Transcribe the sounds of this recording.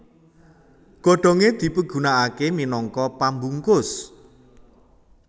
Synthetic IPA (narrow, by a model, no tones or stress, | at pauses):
ɡ̥ɔ̤ɖ̥ɔ̤ŋed̪̥i̤pəɡ̥ṳnaʔakeminɔŋkɔpambuŋkʊs